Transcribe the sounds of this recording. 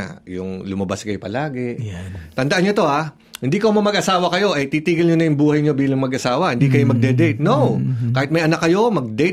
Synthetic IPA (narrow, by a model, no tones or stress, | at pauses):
jʊŋlʊmɐbaskɐjo̞pɐlaːɡɛt̪ɐnd̪ɐʔanɲːot̪o̞ʔa | hɪnd̪iːkɐomɐmɐɡʔɐsaːwɐkɐjo̞ʔɐjt̪iːt̪iːɡɐlɲonɐjʊŋbuːhɐjɲo̞biːlɐŋmɐɡʔɐsaːwɐhɪnd̪iːkɐjomɐɡ̚d̪ɛd̪ɛjt̪̚nowkaːhɪt̪mɐjʔɐnɐkːɐjo̞mɐɡ̚d̪ɛjt̪